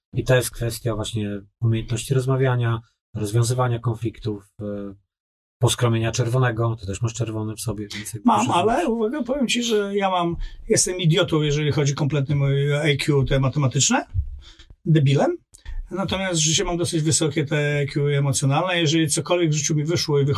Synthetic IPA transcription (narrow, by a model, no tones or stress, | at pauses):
it̪ɔjɛst̪̚kfɛst̪ʲjavwaɕɲɛumʲejɛnt̪nɔɕt͡ɕiɾɔzmavʲjaɲa | ɾɔzvʲjɔ̃w̃zɘvaɲakɔnflʲikt̪uf | pɔskɾɔmʲjeɲat͡ʂɛɾvɔnɛɡɔt̪ɔt̪ɛʂmaʂt͡ʂɛɾvɔnɛfsɔbʲjɛvʲjɛnt̪sɛmamalɛuvaɡapɔvʲjɛmt͡ɕiʐɛjamamjɛst̪ɛmid̪ʲjɔt̪ɔwjɛʐɛlʲixɔd͡ʑikɔmplɛt̪nɨmajkʰʲjut̪ɛmat̪ɛmat̪ɘt͡ʂnɛ | d̪ɛbʲilɛm | nat̪ɔmʲjast̪ʐɘt͡ɕɛmamd̪ɔsɘd͡ʑvɘsɔkʲɛt̪ɛajkʲjuɛmɔt̪sʲjɔnalnɛjɛʐɛlʲit̪sɔkɔlvʲɛɡvʐɘt͡ɕumʲivɘʂwɔivɨx